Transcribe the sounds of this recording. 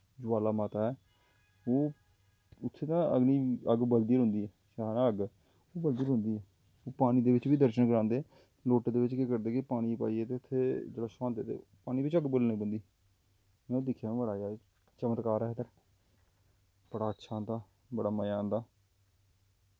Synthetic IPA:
d͡ʒoːaːlaːmaːt̪aːɛː | oː | ʊt̪ʰːeːt̪ãːəɡniːəɡbəld̪iəɾɦʊ̃nd̪iːɛːʃanaːəɡ | oːbəld̪iːəɾɦʊ̃nd̪iːɛː | oːpaːñiːd̪eːʋɪt͡ʃʋiːd̪əɾʃənkəɾãːnd̪eː | loːʈeːd̪eːʋɪt͡ʃkekəɾd̪eːkɪpaːɽ̃iːpa̰ːiːɛːt̪eːʊt̪ʰːeːd͡ʒeɽaːsãːnd̪eːt̪ḛːpaːñiːʋɪt͡ʃəɡbəlnẽːbənd̪iː | mɛ̃ːoːd̪ɪkʰːjãːbəɽaːaː | t͡ʃəmət̪kaːɾɛːɦd̪əɾ | b̥əɽaːətːʃʰãːnd̪aː | bəɽaːməjaːnd̪aː

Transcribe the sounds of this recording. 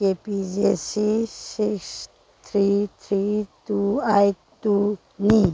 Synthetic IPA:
epid͡ʒesisiks | t̪ʰɾit̪ʰɾit̪uajt̪u | nĩ

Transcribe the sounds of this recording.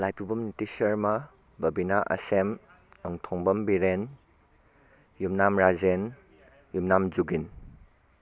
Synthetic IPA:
lajpubɐmnitisɐɾmɐ | bɐbinaʔɐ̰sem | ɐŋtʰɔŋbɐmbiɾen | jumnamɾazen | jumnamzuɡin

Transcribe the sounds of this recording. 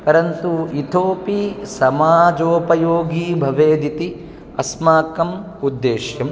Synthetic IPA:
pɐɾɐnt̪uit̪ʰoːpisɐmaːd͡ʒoːpɐjoːɡiːbʱɐʋeːd̪it̪i | ɐsmaːkɐm | ud̪ːeːʃjɐm

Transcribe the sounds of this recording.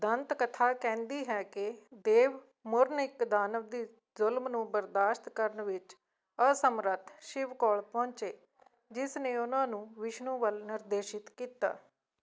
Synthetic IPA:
d̪ənt̪kət̪ʰaːkɛ̃ːnd̪iːɦɛːkɪd̪eːʋ | mʊɾnɪkd̪aːnəʋd̪iː | zʊlmnũːbəɾd̪aːʃt̪kəɾənʋɪt͡ʃ | əsəmɾət̪ʰʃɪʋkɔːɭpɔ̃ːɲt͡ʃeː | d͡ʒɪsnẽːʊnãːnũːʋɪʃnũːʋəlnɪɾd̪eːʃɪt̪kiːt̪a̰ː

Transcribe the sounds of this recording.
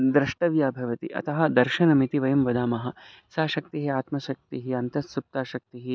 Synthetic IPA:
d̪ɾɐʂʈɐʋjaːbʱɐʋɐt̪ḭʔɐ̰t̪ɐɦɐ̆d̪ɐɾʃɐnɐmit̪iʋɐjɐmʋɐd̪aːmɐɦɐ̆ | saːʃɐk̚t̪iɦiaːt̪mɐʃɐk̚t̪iɦiɐnt̪ɐsup̚t̪aːʃɐk̚t̪iɦi

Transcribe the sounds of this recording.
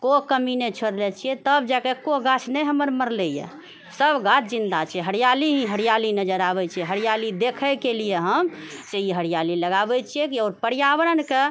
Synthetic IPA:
kokəminɛt͡ʃʰoɾlɛt͡ʃʰijɛt̪əbd͡ʒakekoɡat͡ʃʰnɛjɦəməɾməɾlɛjɛ̰ | səbɡat͡ʃʰd͡ʒind̪at͡ʃʰɛɦəɾjaliɦĩɦəɽijalinəd͡ʒəɾaβɛt͡ʃʰijɛɦəɾijalid̪ekʰəkelijeɦəmd͡ʒeiɦəɽijaliləɡabɛt͡ʃʰijɛkiɔːɾpəɽijabəɾənke

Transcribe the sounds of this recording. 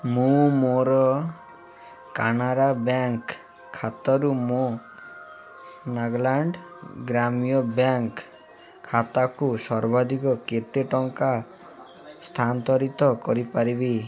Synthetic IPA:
mũmoɾɔ | kanaɾabjaŋkʰː | at̪ɔɾumo | naɡlaɳɖɡɾamijɔbjaŋkʰː | at̪akusɔɾbad̪ʱikɔket̪eʈɔŋka | st̪ʰant̪ɔɾit̪ɔkɔɾipaɾibi

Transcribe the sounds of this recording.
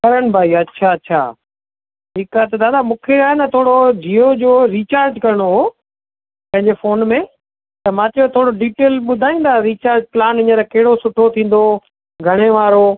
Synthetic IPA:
kɐɾənbʱaːiɐtːɕʰaɐtːɕʰa̰ː | ʈiːkat̪ɐd̪aːd̪amũːkʰeaːɦenɐt̪ʰoːɽod͡ʒiːod͡ʑoːɾiːt͡ɕaːɾd͡ʑkɐɾəɽ̃oɦoː | pɐ̃ɦɪ̃ɲd͡ʑefoːnmẽ | t̪ɐmãːt͡ɕɐjot̪ʰoːɽoɖiːʈeːlɓʊd̪ʱaːĩːnd̪aɾiːt͡ɕaːɾd͡ʑplaːnɪ̃ɲəɾkɐɦɪɽosʊʈʰot̪ʰĩːn̆d̪o | ɡʱɐɽ̃eʋaːɾo

